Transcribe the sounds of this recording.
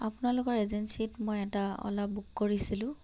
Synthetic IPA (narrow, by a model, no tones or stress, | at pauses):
apʊnalʊkɔɹezensitmojɛtaɔ̰labukːoɹisilʊ̃